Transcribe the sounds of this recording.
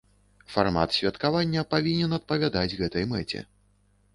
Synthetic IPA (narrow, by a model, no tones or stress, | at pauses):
farma̰t̪sʲvʲɛt̪kavanʲːɐpavʲinʲɛnɐt̪̚pɐvʲad̪ad͡zʲɣɛt̪ɐjmɛt͡sʲɛ̰